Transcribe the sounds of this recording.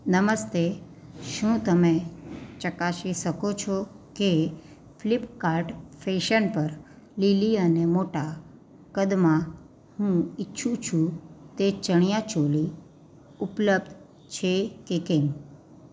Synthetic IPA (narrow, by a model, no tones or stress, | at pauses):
nəməst̪e | ʃũt̪əmẽt͡ʃəkaʃiʃəkot͡ʃʰɔ | ke | flipkaɾʈfeʃənpəɾ | liliənemoʈa | kəd̪mã | hũitːʃʰũt͡ʃʰũt̪et͡ʃəɳ̃jãt͡ʃoli | upləb̚d̪ | t͡ʃʰekekem